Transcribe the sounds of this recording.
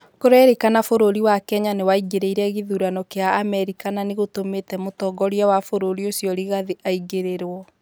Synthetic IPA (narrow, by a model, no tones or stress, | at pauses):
koɾɛɾekanafoɾoɾiwakɛɲanewaiɡeɾeiɾɛɣeðuɾanɔkeaːmɛɾikananeɣotometɛmotɔɡɔɾiawafoɾoɾiosjɔɾiɣaðiʔaiɡeɾeɾwɔ